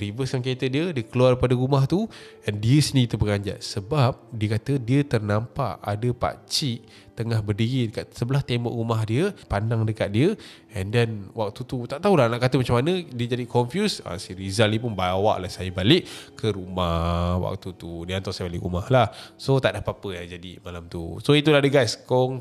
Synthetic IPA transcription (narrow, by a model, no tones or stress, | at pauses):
rivəsjaŋket̪ədiədiəkəluarpadəɾumaht̪u | ɛndiəsənikit̪əbəɡaɲd͡ʒa̰ʔsəbap̚diəkat̪ədiət̪ərnampaʔa̰dəpa̰t͡ʃiʔ | t̪əŋahbərdiɣidəkat̪səbəlaht̪embɔ̰ʔrumahdiəpandaŋdəkat̪̚diə | ɛndɛnwʔak̚t̪ut̪ut̪aʔt̪aɦulahnaʔkat̪əmat͡ʃamanədiəd͡ʒadikɔmfjusa̰siɾizalipunbawa̰ʔlahsajəbalɪʔkʰəɾumawa̰k̚t̪ut̪udiəant̪ɔsajəbalɪ̰ʔɾṵmahlahsot̪aʔdapapəjad͡ʒadḭmalamt̪ṵsoit̪ulahdəɡajskɔŋ